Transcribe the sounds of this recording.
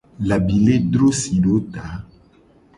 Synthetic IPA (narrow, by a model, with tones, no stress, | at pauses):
la˨bi˨le˦d̪ɾo˦si˨ɖo˦t̪a˨˦